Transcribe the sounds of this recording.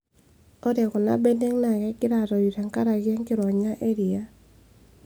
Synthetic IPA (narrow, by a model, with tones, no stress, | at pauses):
ɔ˦dɛ˨kɔ˨na̰˦be˦nde˦ŋna˨ɡɛ˦kɪ˦ɾa˨ɾɔ˨i˨ɾa˨ŋka˦ɾa˨ɡjɛ˦ŋkɪ˦ɾɔ˨ɲa˦ʔe˦ɾi˨a˦